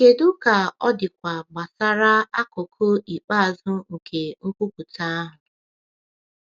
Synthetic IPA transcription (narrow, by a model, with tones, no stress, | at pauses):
ke˨dʊ˦ka˨ɔ˦dɪ˨kʷa˨ɡ͡ba˨sa˦ɾa˦a˦ko˨kʰo˦i˨k͡pa˦a˨zʊ˦ŋ̩˨kʰe˨ŋ̩˦kʷu˦ku˨ta˦a˦ɦʊ˨